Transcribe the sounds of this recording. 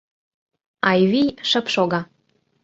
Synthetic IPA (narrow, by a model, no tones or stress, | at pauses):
ɑjβijʃə̆pʃoɣɑ